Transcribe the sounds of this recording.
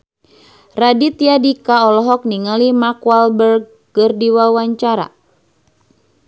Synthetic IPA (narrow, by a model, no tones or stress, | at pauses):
radit̪iadikaɔlɔɦɔk̚niŋalimakwalbərɡ̚ːɨrdiwawaɲt͡ʃaɾa̰